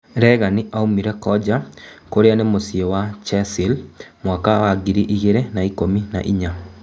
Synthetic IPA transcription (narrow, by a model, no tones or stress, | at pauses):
ɾɛɣaniʔaumiɾɛkɔd͡ʑakoɾeanemosiɔwat͡ʃɛsilmwakawaɡiɾiʔiɣeɾenaikomina̰ʔiɲa